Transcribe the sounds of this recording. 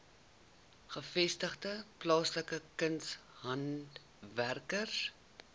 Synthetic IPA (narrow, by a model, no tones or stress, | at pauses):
χəfɛstəχdəplɑːsləkəkənshɐnt | værkər